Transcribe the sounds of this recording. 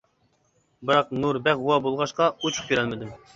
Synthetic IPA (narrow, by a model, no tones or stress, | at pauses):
bɨɾɑq̚nuɾbɛχuwɑbolˠʁɑʃqɑut͡ʃʰʊ̥kʲʰøɾælmɪd̪ɪm